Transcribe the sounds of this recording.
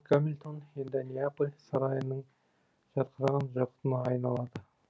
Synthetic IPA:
kʰamilʲt̪ʰonhend̪ɪnijapulʲsɑɾɑjənəɴ | ʒ̥ɑɾqʰəɾɑʁɑnʒɑqʰə̥t̪ɨnəɑjnɑlˠɑd̪ə

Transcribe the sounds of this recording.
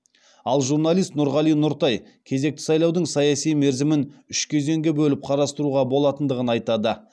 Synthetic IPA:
ɑlˠʒurnɑlˠijst̪nʊɾʁɑlˠijnʊɾt̪ɑj | kʲʰe̞ze̞k̚t̪ɪ̥sɑjlˠɑwd̪əɴsɑjɑsijme̞ɾzɪmɪnʏʃkʲʰe̞ze̞ŋɡʲebɵlɪp̚qʰɑɾɑst̪əɾuʁɑbo̞lˠɑt̪ənd̪əʁənɑjt̪ɑd̪ə

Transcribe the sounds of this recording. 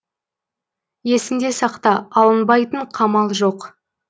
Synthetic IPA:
je̞sɪnd̪e̞sɑqt̪ɑɑlˠənbɑjt̪əɴqʰɑmɑlˠʒo̞q

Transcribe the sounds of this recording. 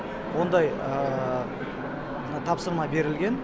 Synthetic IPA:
wo̞nd̪ɑjə | nɑt̪ʰɑpsəɾmɑbe̞ɾɪlɡʲe̞n

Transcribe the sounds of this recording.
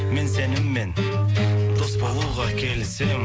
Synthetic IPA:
mensenɪmːen | d̪ospʰɑlˠuwʁɑkʲʰelɪsɪ

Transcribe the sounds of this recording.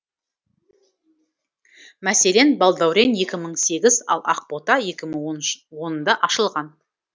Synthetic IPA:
mæse̞le̞nbɑlˠd̪ɑwɾenje̞kʲɪməɴse̞ɡʲɪzɑ̰lˠʔɑ̰q̚po̞t̪ɑje̞kʲɪməɴonwo̞nənd̪ɑʔɑʃəlˠʁɑn

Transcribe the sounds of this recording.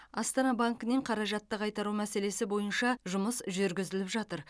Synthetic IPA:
ɑst̪ɑnɑbaŋkəneɴqʰɑɾɑʒɑt̪ːəqʰɑjt̪ɑɾumæse̞le̞sɪbo̞jənʃɑʒʊməsʒʏɾɡʲɪzɪlɪpʒɑt̪əɾ

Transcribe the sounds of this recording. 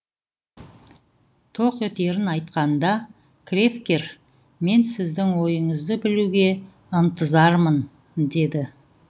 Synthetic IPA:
t̪ʰo̞qet̪e̞ɾɪnɑjt̪qɑnd̪ɑ | kʲʰrefkʲe̞ɾ | me̞nsɪzd̪ɪŋwo̞jəɴəzd̪əbɪluɡʲe̞ | ənt̪əzɑɾmən | d̪e̞d̪ɪ

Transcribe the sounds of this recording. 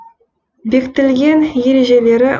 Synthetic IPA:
bekt̪ɪlɡʲe̞njeɾeʒele̞ɾɪ

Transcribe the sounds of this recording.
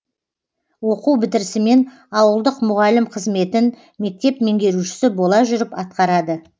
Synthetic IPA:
wo̞quwbɪt̪ɪɾsɪme̞n | ɑwəlˠd̪əqmʊʁɑlɪmqʰəzme̞t̪ɪn | me̞k̚t̪e̞pme̞ŋɡʲe̞ɾuʃɪ̥sɪbo̞lˠɑʒʏɾɪpɑt̪̚qɑɾɑd̪ə

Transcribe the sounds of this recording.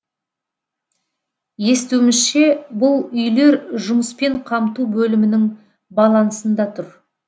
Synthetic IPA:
je̞st̪uwmɪzʃe̞bʊlˠʏjle̞ɾʒʊməspe̞ɴqʰɑmt̪ubɵlɪmɪnɪŋ | bɑlˠɑnsənd̪ɑt̪ʰʊɾ

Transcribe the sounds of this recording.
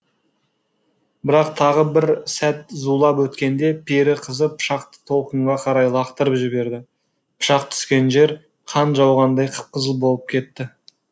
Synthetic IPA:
bɪɾɑq̚t̪ʰɑʁəbɪɾsæt̪zulˠɑpwɵt̪kʲe̞nd̪e̞pʰeɾɪqʰəzəpʰʊ̥ʃɑqt̪ə̥t̪ʰo̞lˠqəɴʁɑqʰɑɾɑjlˠɑqt̪əɾəpʒɪbe̞ɾd̪ɪ | pʰʊ̥ʃɑq̚t̪ʰʏ̥skʲe̞nʒe̞ɾ | qʰɑnʒɑwʁɑnd̪ɑjqʰə̥p̚qəzəlˠbo̞lˠəp̚kʲʰe̞t̪ːɪ

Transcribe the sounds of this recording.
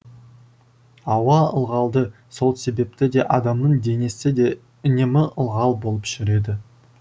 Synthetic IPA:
ɑwɑə̰lˠʁɑlˠd̪ə | so̞lˠse̞be̞p̚t̪ɪd̪e̞ʔɑd̪ɑmnəɴd̪e̞nesɪd̪e̞ | ɪnemɪʔəlˠʁɑlˠbo̞lˠəpʒ̥ʏɾe̞d̪ɪ

